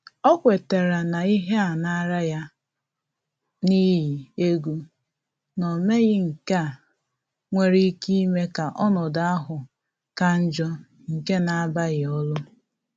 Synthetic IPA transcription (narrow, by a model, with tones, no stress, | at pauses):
ɔ˦kʷe˨te˨ɾa˨na˨i˦ɦe˦a˨na˦ɾa˦ja˦ | ni˦ɦi˨e˦ɡu˦ | nɔ˨me˦ɣɪ˦ŋ̩˨ka˨ | ŋʷe˦ɾi˦ki˦me˦ka˨ʔɔ˦nɔ˨da˨a˦ɦʊ˨ | ka˨n̩˦d͡ʒɔ˦ | ŋ̩˨ke˦na˨a˦ba˦ɣɪ˨ɔ˦lʊ˦